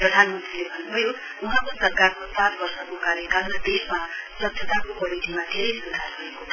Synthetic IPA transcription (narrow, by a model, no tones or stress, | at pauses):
prʌd̪ʱanmʌnt̪rilebʱʌnubʱʌjo | uɦãkosʌrkarkosãt̪ʰbʌrsʌkokaɾjʌkaɾɾʌd̪esmasʌksʰet̪akokʌɾiʈimat̪ʰeɾibud̪ʱaʌekot̪ʰ